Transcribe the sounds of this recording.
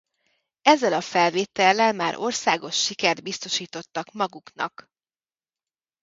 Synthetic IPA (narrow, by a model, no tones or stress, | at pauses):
ɛzːɛlɒfɛlveːt̪ɛlːɛlmaːɾʔo̞rsaːɡo̞ʃːikɛrd̪̚bist̪o̞ʃiːt̪o̞t̪ːɒkmɒɡuknɒ̰k